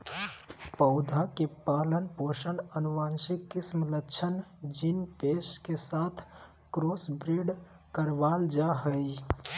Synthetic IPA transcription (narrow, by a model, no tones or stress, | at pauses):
pəʊd̪ʱakepalənpoʃənənuʋansikːismlət͡ʃʰənd͡ʒinpeskesat̪ʰ | kɾosbɾiɖ | kəɾʋald͡ʒaɦəj